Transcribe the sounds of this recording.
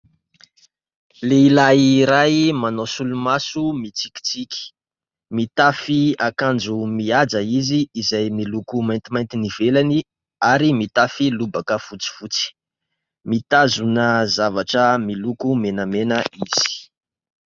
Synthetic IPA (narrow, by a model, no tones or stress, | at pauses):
leilajiɾajmanosulumasumit͡sikʲi̥t͡sikʲi̥ | mit̪afiakand͡zumiad͡zaiziːzajmilukumajnt̪imajnt̪iniv̥elani | aɾimit̪afilubakəfut͡si̥fut͡si̥ | mit̪azunəzavaʈ͡ʂəmilukumenamenəiz̥i̥i̥